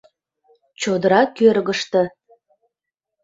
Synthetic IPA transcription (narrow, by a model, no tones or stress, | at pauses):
t͡ɕod̪əɾɑkørɣəʃt̪ə̆